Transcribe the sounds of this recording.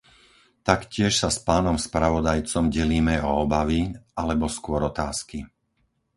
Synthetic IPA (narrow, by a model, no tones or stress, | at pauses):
t̪akcɪɛʃsaspaːnɔmspɾaʋɔd̪ajt͡sɔmɟɛliːmɛɔːbaʋiʔalɛbɔskʊɔɾɔt̪aːski